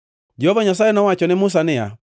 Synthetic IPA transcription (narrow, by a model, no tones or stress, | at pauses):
d͡ʒiɔvaɲasaɛnawat͡ʃɔnemus̬anɪa̰